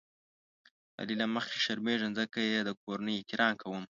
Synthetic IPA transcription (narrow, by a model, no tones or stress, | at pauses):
a̰lilaməxke̥ʃaɾmeʐənzəkajed̪ək̚oɾanəjkɪɾɑːnkawəm